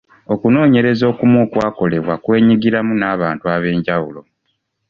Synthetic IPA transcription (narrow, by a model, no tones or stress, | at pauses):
o̞kuno̞ːɲe̞ɾe̞zo̞ːkumoːkwaːko̞le̞βwa̰kwe̞ːɲiɡiɾamunaːβaːntuaβe̞ːɲɟawulo̞